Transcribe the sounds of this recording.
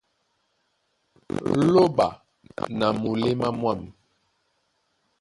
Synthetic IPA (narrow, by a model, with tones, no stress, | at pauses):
lo˦ba˨ | na˨mu˨le˦ma˦mwa˦˨mi˨